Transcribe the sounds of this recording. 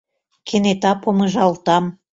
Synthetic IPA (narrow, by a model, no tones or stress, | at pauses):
kʰĕnet̪ɑpomɤ̆ʒɑlt̪ɑm